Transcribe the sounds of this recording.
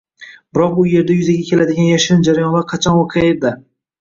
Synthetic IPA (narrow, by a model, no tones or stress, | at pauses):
b̥ɪɾɒq̚ʊje̞ɾd̪ajʊzaɡʲakʲʰe̞lad̪ɪɡʲanjaʃɪɪnd͡ʒaɾajɒnlˠaɾqʰɑt͡ʃʰɒnwɒqʰɨjaɪɾd̪a